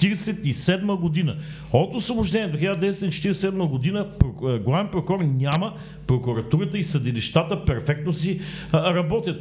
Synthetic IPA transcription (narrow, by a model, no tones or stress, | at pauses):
t̪iɾɛsɛt̪isɛd̪məɡod̪inə | ot̪osvoboʒd̪ɛniɛd̪oxilad̪d̪ɛsɛt̪int͡ʃɛ̥t̪iɾɛssɛd̪məɡod̪inəpɾɡlˠavɛnpɾokɔɾnʲamə | pɾokuɾɐt̪uɾət̪əisɐd̪iliʃt̪at̪əpɛɾfɛk̚t̪nosiɾɐbɔt̪jət̪